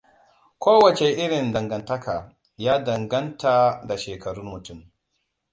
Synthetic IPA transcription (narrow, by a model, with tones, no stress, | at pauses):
kʷoː˦wɐ˨t͡ʃe˨ʔɪ˦ɽɪ˨ndɐ˨ŋɡɐ˨ntɐ˦kʰaː˨ | jaː˦dɐ˨ŋɡɐ˦nta˨da˨ʃeː˨kʰɐ˨ɽʊ˦nmʊ˨tʊ˦˨m